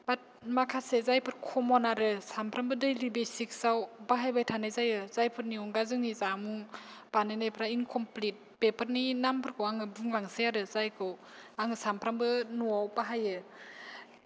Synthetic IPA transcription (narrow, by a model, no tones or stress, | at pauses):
bat̚makʰasezajpʰɯɾkʰɔmɔnaɾɯsampʰɾambɯdɯjlibesik̚sawbaɦajbajtʰanajzajɯz̥ajpʰɯɾniuŋɡazɯŋnizamuŋb̥anajnajpʰɾaiŋkʰɔmplit̚pepʰɯɾninampʰɯɾkʰɯwaŋɯbɯŋlaŋseaɾɯzajkʰɯw | aŋɯsampʰɾambɯnuawbaɦajɯ